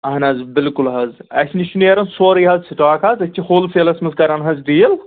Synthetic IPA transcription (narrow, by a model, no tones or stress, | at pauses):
ɐɦnɐzbɪlkulɦɐzɐsʲniʃuneɾɐnsoːɾiːɦɐzsiʈaːkʰaːzɐt͡ʃʲːʰihoːlfeːlɐsmɐzkɐɾɐnɦɐzd̪ijl